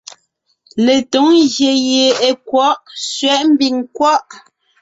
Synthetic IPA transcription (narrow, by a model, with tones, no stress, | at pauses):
le˨to˨˦ŋɣje˨je˨e˨kwɔ˨˦ʔsɥɛ˦ʔm̩˦bi˨ŋkwɔ˦ʔ